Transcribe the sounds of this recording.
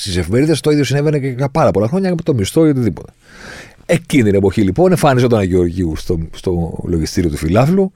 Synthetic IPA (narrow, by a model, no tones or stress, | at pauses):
st̪ise̞fimeɾiðesɐft̪oiðjosineveneʝɐpɐɾɐpo̞lɐxɾo̞ɲɐkɐpot̪omist̪oeot̪iðipo̞t̪e̥ | e̞cint̪ine̞po̞çilipo̞nefɐniseot̪ɐnɐʝeo̞ɾʝiunst̪ost̪o̞lo̞ʝist̪iɾio̞t̪ufilɐflu